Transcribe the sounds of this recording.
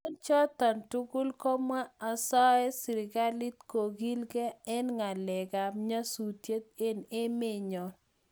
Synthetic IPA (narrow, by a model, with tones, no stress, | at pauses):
o˦nt͡ʃɔ˦t̪ɔ˨ntu˦ɡʊ˦lkɔ˦ma˦a˨sɔ˦ɛ˦sɪ˨ɾɪ˨ɡa˦li˦t̪ko˨ɡi˦lɡɛ˦ɛ˦nŋa˨lɛ˨ɡa˨mɲa˦su˨tje˦t̪̚e˦ne˦mɪ˦˨ɲɔ˨